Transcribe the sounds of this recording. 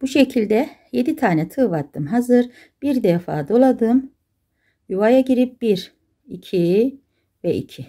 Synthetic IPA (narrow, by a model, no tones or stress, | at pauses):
b̥uʃecʰilʲd̪ɛje̞d̪it̪ʰaːnɛt̪ʰɯvat̪ʰːɯmɦazɯɾ | b̥iɾd̪ɛfa̰ːd̪o̞lˠad̪ɯm | juvajaɟiɾip̚b̥iɾ | ḭcʰi | vɛḭcʰi